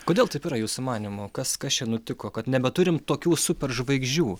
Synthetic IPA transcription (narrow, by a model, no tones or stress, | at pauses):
koːd̪ʲeːlˠt̪ɐɪpiːɾɐjuːsʊmɑːnʲɪmʊkɐskɐst͡ʃʲɛnʊt̪ʲɪkoːkɐt̪nʲɛbʲɛt̪ʊɾʲɪmt̪oːkʲuːsʊpʲɛɾʒʋɐɪɡʒʲd͡ʒʲuː